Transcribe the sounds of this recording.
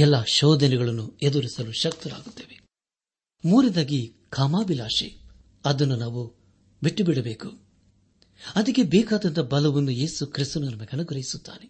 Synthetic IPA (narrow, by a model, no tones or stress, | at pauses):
ɛlːaːʃɔːd̪ʱɐnɛɡɐɭɐnːued̪uɾisɐluʃɐk̚t̪ɐla̰ːɡut̪ːeːʋe | muːɾid̪aːɡi | kaːmaːbilaːʃḭ | ɐd̪ɐnːunaːʋu | biʈːubiɽɐbe̞ːku | ɐd̪ɐkːe̞bɛːkaːd̪ɐnt̪ɐbɐlɐʋɐnːuje̞ːsukɾist̪ɐnunɐmːɐɡɐnɐɡuɾɐjisut̪ːa̰ːne